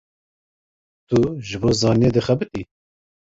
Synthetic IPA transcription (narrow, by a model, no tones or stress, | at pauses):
t̪ʰuʒɨboːzɑːnieːd̪ɨxɛbɨt̪i